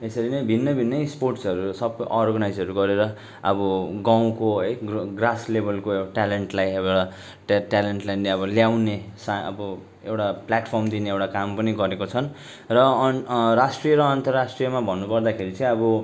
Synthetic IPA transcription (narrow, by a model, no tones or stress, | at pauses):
esʌɾinʌjbʱinːʌbʱinːʌjsporʈsʌɾusʌbʔʌrɡʌnajd͡zʌɾuɡʌɾeɾʌ | ʌ̰bʌɡaw̃koɦʌjɡɡraslebʱʌlkoewʈaleɳʈlajʌbea | ʈaleɳʈlajneʌbʌljawnesaʌ̰bʌ | ḛwʈaplaʈpʰʌrmd̪ineewʈakampʌniɡʌɾekot͡sʰʌn | rʌ | rasʈrijʌɾʌːnt̪ʌrasʈrijʌmabʱʌnːupʌrd̪akʰeɾit͡sʌĩʌbʌ